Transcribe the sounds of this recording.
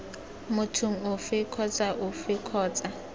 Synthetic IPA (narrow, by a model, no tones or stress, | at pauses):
mʊtʰʊŋ̩ʊfɪkʰɔt͡sʼaʔʊfɪkʰɔːt͡sʼa